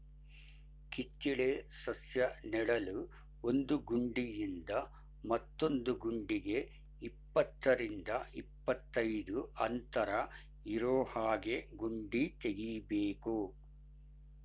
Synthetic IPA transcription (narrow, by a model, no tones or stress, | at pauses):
kit͡ʃːiɭesɐsjɐniɽɐlu | ond̪uɡuɳɖijind̪ɐ | mɐt̪ːo̞nd̪uɡuɳɖiɡe̞ | ipːɐt̪ːɐɾind̪ɐipːɐt̪ːɐjd̪uʔɐnt̪ɐɾɐ | iɾoːhaːɡe̞ɡuɳɖit̪eɡibeːku